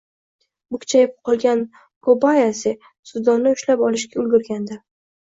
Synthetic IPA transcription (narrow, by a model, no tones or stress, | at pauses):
bʊkʲʰt͡ʃʰajɪp̚qʰɒlˠɡʲan | kʰobajasɪ | sʊd̪ɒnːɪʊʃlapɒlɪʃkʲaʊlɡʲʊɾɡʲand̪a